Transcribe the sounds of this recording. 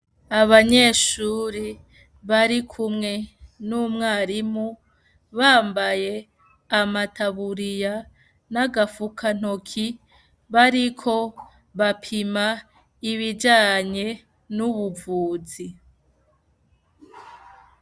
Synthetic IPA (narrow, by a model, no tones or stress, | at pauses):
aβaɲe̞ːʃuːɾi | βaɾikʰumŋe̞numŋaːɾimu | βaːmbaje̞ | amatʰaβuɾija | naɡafukʰan̥okʰi | βaɾikʰo̞ | βapʰima | iβid͡ʒaːɲe̞ | nuβuvuːzi